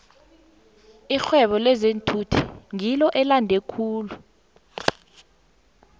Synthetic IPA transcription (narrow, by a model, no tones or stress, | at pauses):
ixwɛɓɔlɛzentʰutʰiŋilɔʔɛlandʱekʰuːlu